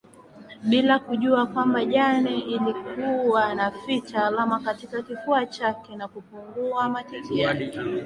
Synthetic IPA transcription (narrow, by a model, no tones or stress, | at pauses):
ɓilakuʄuakwambaʄaniilikuanafit͡ʃalamakatikakifuat͡ʃakɛnakupuŋɡuamatikiaʄi